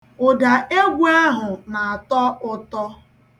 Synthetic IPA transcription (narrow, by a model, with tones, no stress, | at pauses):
ʊ˨da˨ʔe˦ɡʷa˦ɦʊ˨na˨a˨tɔ˦ʔʊ˦tɔ˦